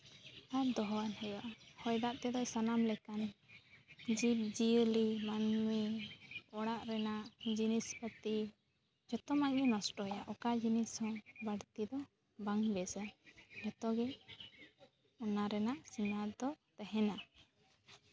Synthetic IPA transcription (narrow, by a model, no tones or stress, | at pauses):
ad̪ɔɦɔwanhɛjaʔhɔjd̪aʔt̪ɛd̪ɔsanamlɛkan | d͡ʒip̚d͡ʒilimanmi | ɔɽaʔɾɛnaʔd͡ʒinispət̪i | d͡ʒɔt̪ɔmaʔɡɛnɔsʈɔjaʔɔkad͡ʒinishɔ̃baɽt̪id̪ɔ | baŋbɛsad͡ʒɔt̪ɔɡɛ | ɔnaɾɛnaʔsinad̪ɔt̪ɛɦɛna